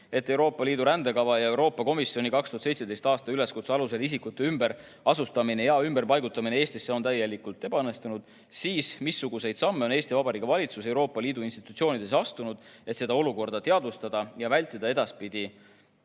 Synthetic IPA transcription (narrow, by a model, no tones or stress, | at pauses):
e̞t̪ːe̞wɾo̞ːpːˑɑliːd̪uɾænd̪e̞kɑvɑjɑe̞wɾo̞ːpːˑɑko̞misio̞nikɑkst̪uhɑt̪se̞jt̪se̥ejst̪ɑːst̪ɑyle̞skut̪seɑluse̞lisikut̪ːˑe̞ymbe̞ɾ | ɑsust̪ɑminejɑymb̥e̞rpɑjɡut̪ːˑɑmineeːst̪isːeo̞nt̪æjːe̞likult̪ːˑe̞b̥ɑɤnːe̞st̪unud̪̥ | siːsmisːuɡ̥use̞jd̪̥sɑmːe̞o̞ne̞ːst̪ivɑbɑɾikːɑvɑlʲit̪suse̞wɾo̞ːpːˑɑliːd̪uinst̪i̥t̪ːˑut̪sio̞ːnid̪e̞sɑst̪unud̪̥e̞t̪se̞d̪̥ɑo̞luko̞rd̪̥ɑt̪eɑd̪ust̪ɑd̪̥ɑjɑvælʲt̪ːˑid̪̥ɑe̞d̪̥ɑspid̪̥i